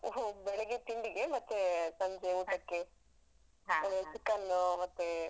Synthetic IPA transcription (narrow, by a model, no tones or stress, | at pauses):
obɛleɡet̪iɳɖiɡemɐt̪ːesɐɲd͡ʒeuːʈɐkːe | ɐnet͡ʃikːɐnːumɐt̪ːe